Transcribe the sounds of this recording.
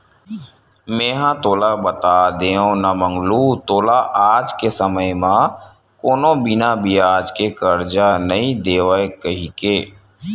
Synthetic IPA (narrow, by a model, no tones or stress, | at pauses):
mẽːɦãt̪oːlabət̪aːd̪eːõnamə̃ŋɡlut̪oːlaʔaːd͡ʒkesəməjmã | koːnõbɪnabʱiaːd͡ʒkekəɾd͡ʒanɐɦĩd̪eːʋaekəɦikeː